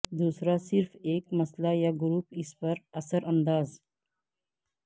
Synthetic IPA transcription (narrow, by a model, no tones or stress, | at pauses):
d̪uːsɾasiɾfeːkməslajaɡʊɾuːpispəɾəsəɾʔənd̪aːz